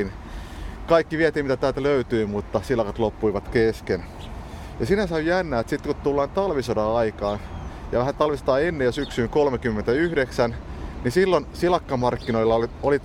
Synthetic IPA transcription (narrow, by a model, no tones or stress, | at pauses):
in | kɑikːiʋiæt̪iːmit̪æt̪æːlt̪æløyt̪yːmut̪ːɑsilɑkɑt̪lopːuiʋɑt̪kesken | jɑsinæsɑijænːæːt̪sit̪ːkutt̪ulːɑːnt̪ɑlʋisodɑːɑikɑːnjɑ̰ʋæhænt̪ɑlʋist̪ɑːenːejosyksyːŋkolmekymːent̪æyhdeksænnisilːonsilɑkːɑmɑrkːinoilːɑolioli